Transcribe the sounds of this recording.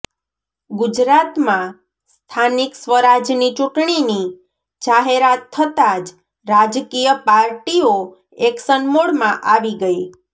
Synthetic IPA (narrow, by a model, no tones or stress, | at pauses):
ɡud͡ʒɾat̪mã | st̪ʰaniksʋəɾad͡ʒnit͡ʃʊʈɳ̃ini | d͡ʒaɦeɾat̪ʰːət̪ad͡ʒ | ɾad͡ʒkijəpaɾʈio | eksənmoɽmãʔaʋiɡəi